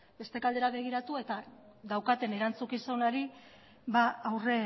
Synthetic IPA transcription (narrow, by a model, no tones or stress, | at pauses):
be̞st̪e̞kald̪e̞ɾaβe̞ɣ̞iɾat̪ue̞t̪a | d̪awkat̪e̞ne̞ɾant͡sukiso̞naɾi | βaawre̞